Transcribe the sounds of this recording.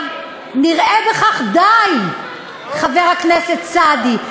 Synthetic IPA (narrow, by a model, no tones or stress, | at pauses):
v | niʁebeχaχd̪aj | χaveʁhakneset̪t͡sad̪i